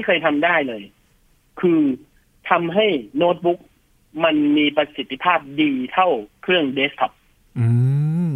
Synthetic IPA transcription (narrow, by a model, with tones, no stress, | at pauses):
i˥˩jkʰɤː˧jt̪ʰa˧mdaː˥˩jlɤː˧j | kʰɯː˧ | t̪ʰa˧mɦa˥˩jnoː˦˥t̪̚bu˦˥k̚ | ma˧nmiː˧pa˧si˨˩t̪ːi˧˩pʰaː˥˩p̚diː˧t̪ʰa˥˩wkʰɾɯ˥˩əŋdeː˦˥st̪ʰɔ˧˥p̚ | ʔɯː˧